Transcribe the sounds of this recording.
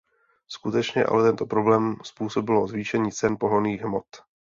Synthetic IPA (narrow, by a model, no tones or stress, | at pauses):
skut̪ɛt͡ʃɲɛʔa̰lɛt̪ɛnt̪o̞pɾo̞blɛːmspuːso̞bɪlʔozviːʃɛɲiːt͡sɛnpo̞ɦoniːɣɦmo̞t̪